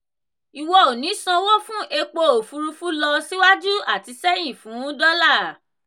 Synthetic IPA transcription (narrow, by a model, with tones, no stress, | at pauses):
i˨wɔ˧o˨nĩ˨˦sã˧wo˦fũ˦ʔe˧k͡po˧o˨fu˧ɾu˧fu˦lɔ˧si˦wa˦d͡ʒu˦a˦˨ti˨˧sɛ˦j̃ĩ˦˨fũ˨˦dɔ˦la˦˨